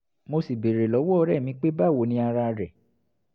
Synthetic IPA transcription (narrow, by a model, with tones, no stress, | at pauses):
mo˧si˨be˨ɾe˨lɔ˨˦wɔ˦˧ɾɛ˦˨mĩ˧k͡pe˦ba˦˨wo˨˦nĩ˧a˧ɾa˧ɾɛ˨